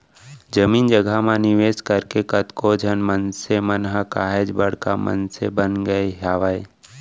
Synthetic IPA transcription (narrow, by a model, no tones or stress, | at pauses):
d͡ʒəmiːnd͡ʒəɡʱamanɪʋeːskəɾkekət̪kod͡ʒʱənmənsemənɦakaːɦed͡ʒbəɽ̤ka̰mə̰nsebənɡəeɦaːʋae